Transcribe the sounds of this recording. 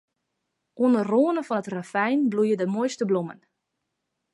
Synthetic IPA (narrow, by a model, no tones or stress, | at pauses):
ʔuəndərroːənəfɔnətrafɛjnblujədəmojstəblumə̰n